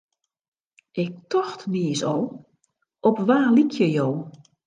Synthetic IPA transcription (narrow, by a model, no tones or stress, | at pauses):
ʔɪk̚tɔxtniəsow | ɔpʋaːlikʰjəjow